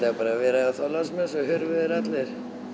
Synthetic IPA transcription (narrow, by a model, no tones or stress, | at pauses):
aapaːɾavɛːɾaaθalasmɛsɔɦʏɾvʏðɪɾat̪lɪɾ̥